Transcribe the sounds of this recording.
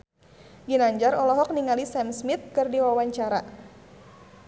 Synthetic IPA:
ɡinaɲd͡ʒaɾɔlɔɦɔk̚niŋalisɛmsmit̪̚kɨrdiwawaɲt͡ʃaɾa̰

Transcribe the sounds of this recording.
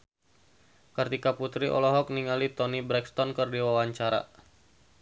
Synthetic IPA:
kərt̪ikaput̪ɾiʔɔ̰lɔɦɔk̚niŋalit̪ɔnibɾɛkst̪ɔnkərdiwawaɲt͡ʃaɾa̰

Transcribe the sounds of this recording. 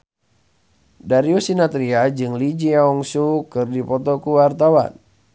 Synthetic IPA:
daɾiusinat̪ɾiad͡ʒɨŋlid͡ʒiaɔŋsukɨrdipɔt̪ɔkuwart̪awa̰n

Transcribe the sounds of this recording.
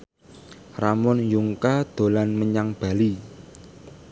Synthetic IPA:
ramɔnjuŋkad̪̥o̤lanməɲaŋb̥a̤li

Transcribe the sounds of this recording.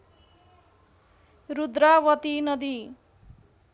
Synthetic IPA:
rud̪ɾawʌt̪inʌd̪i

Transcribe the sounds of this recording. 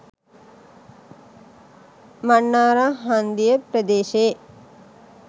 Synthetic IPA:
maɳːaːɾaɦand̪ijəpɾəd̪eːʃe

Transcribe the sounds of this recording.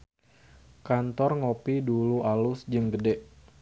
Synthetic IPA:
kant̪ɔrŋopiduluʔalʊsd͡ʒɨŋɡədɛʔ

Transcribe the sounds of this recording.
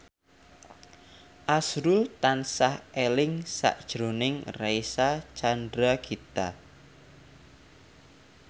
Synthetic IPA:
ʔasɾult̪ansahelɪŋsa̰ʔd̥ʒ̥ɾonɪŋraisat͡ʃandɾaɡit̪a

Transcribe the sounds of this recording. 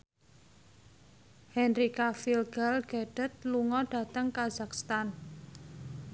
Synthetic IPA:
hɛnrikafilɡ̥alɡ̥aɖ̥ət̪̚luŋɔɖ̥a̤t̪əŋkaz̥akst̪an

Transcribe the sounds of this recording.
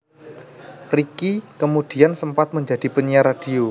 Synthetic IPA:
rikikəmud̥i̤ansəmpat̪̚məɲd͡ʒad̥i̤pəɲiaɾad̥i̤o

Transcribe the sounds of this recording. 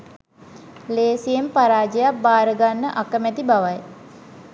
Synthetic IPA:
leːsijempaɾaːd͡ʒejap̚baːɾəɡanːəʔakəmɛt̪ibaʋaj

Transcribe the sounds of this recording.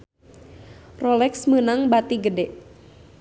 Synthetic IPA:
rɔlɛksmənaŋbat̪iɡədɛʔ

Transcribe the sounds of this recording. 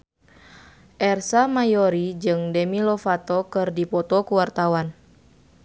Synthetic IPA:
ʔɛrsamajɔɾid͡ʒɨŋdɛmilɔfat̪ɔkɨrdipɔt̪ɔkuwart̪awan

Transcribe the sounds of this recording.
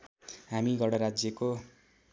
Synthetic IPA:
ɦamiɡʌɽʌɾad͡zjʌko

